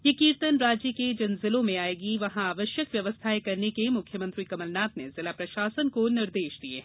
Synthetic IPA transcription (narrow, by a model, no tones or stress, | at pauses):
jekiːɾt̪ənɾaːd͡ʒiked͡ʒɐnzɪlõmẽaːeːɡiʋɐɦãaːʋəʃjəkʋjɐʋəst̪ʰaːekɐɾnekemʊkʰjəmɐ̃nt̪ɾikɐməlnaːt̪nezɪlaːpɾɐʃaːsənkonɪɾd̪eːʃd̪iḛː